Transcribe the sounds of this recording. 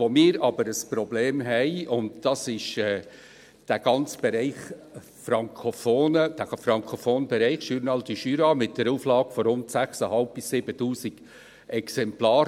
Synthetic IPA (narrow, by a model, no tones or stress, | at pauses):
omɪːɾɑbəɾəspɾɔbleːmɦɛɪʊndd̥ɑsɪʃɛː | d̥æɡ̥ɑnt͡sb̥ɛɾɛɪχ | fɾɑŋkʰofoːnəd̥æfɾɑŋkʰofoːnbɛɾɛɪχʃyɾnɑltiʃyːɾɑmɪt̚d̥əɾuːflɑːɡ̥fɔɾʊntsæχsəhɑlp̚bɪsːɪbətuːsiɡ̥ | ɛksɛmplɑːɾ